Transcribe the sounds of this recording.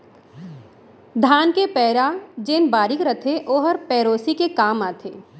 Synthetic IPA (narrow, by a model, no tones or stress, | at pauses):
d̪ʱaːnkepɛːɾad͡ʒeːnbaːɾɪkɾət̪ʰeʔoːɦəɾpɛːɾoːsikekaːmaːt̪ʰḛː